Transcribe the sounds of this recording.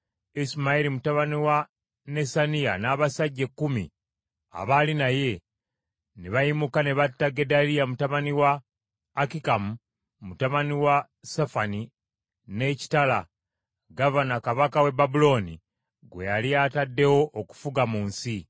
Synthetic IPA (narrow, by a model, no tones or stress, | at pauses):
ismaiɾimutaβaniwa | ne̞sanija̰naːβasaɟːe̞kːumḭ | a̰βalinaje̞ | neβajimukaneβatːaɡe̞dalijamutaβaniwaː | kikamu | mutaβaniwa | sefani | ne̞ci̥tala | ɡavanakaβakawe̞babulo̞ni | ɡwe̞̰jaliatadːe̞wo̞ʔoku̥fuɡamuːnsi